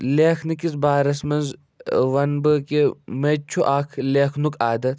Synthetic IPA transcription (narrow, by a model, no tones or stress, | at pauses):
leːxʰnikiz̬baːɾɐsmɐnz | ʋɐnbɨkemet͡ʃʰuʔaːkʰleːxnukaːd̪ɐt̪ʰ